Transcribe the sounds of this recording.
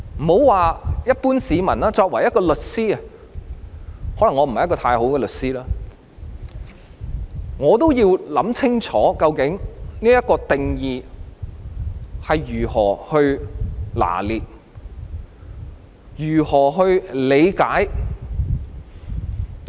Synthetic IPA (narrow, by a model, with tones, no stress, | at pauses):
m̩˨˩ho˨˥wwaː˨˧jɐ˥t̚puː˥nsiː˨˧mɐ̰˨˩nlaː˥t͡sɔː˧k̚wɐ˨˩jɐ˥t̚kɔː˧lɵ˨t̚siː˥ɐ˨ | hɔː˨˥lɐ˨˩ŋɔː˨˧m̩˨˩hɐ˨jkɔː˧t̪ʰaː˧jɦo˨˥wkɛ˧lɵ˨t̚siː˥laː˥ | ŋɔː˨˧t̪o˥wjiː˧wlɐ˨˥mt͡sʰɪ˥ŋt͡sʰɔː˨˥kɐ˧wkɪ˨˥ŋniː˥jɐ˥t̚kɔː˧t̪ɪ˨ŋjiː˨˧ | hɐ˨jɥyː˨˩hɔː˨˩hɵ˧ɥla̰ː˨˩liː˨t̚ | jyː˨˩hɔː˨˩ɦɵ˧ɥle˨˧jkaː˨˥j